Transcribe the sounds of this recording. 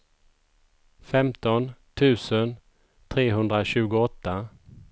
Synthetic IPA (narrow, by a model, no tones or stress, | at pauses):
fɛmt̪ɔnt̪ʰʉ̟ːsən | t̪ʰɾeːɦɵnd̪ɾaɕʉ̟ːɡʊɔt̪ːa